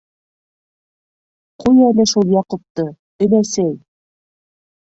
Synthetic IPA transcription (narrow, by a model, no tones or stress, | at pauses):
qujælɘʃulˠjɑqŏp̚t̪ɤ | ɘ̆næsæj